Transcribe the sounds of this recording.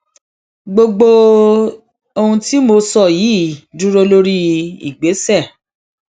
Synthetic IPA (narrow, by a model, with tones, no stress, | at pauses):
ɡ͡bo˧ɡ͡bo˧ | o˧hũ˧ti˦mo˧sɔ˦˨ji˨˦˨dũ˦ɾo˧lo˦ɾi˦ḭ˨ɡ͡be˨˦sɛ˦˨